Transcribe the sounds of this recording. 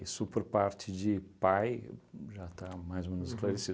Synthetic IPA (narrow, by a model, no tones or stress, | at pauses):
isʊpoɾpaɾt͡ʃɪd͡ʒɪpajʒat̪amajzomẽnʊzɪsklaɾesi